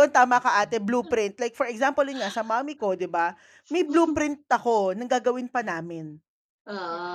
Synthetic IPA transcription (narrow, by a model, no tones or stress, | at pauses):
ont̪aːmɐkɐʔaːt̪ɛbluːpɾɪnt̪̚lajk̚fɔɹɛksampoljʊnŋasɐmaːmiko̞d̪ɪba | mɐjbluːpɾɪnt̪̚ɐko̞nɐŋɡaːɡɐwɪnpɐnaːmɪn